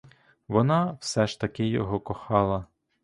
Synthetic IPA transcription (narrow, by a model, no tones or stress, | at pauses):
ʋɔnɑwsɛʃt̪ɐkɪjɔ̰ɦɔkɔxɑlˠɐ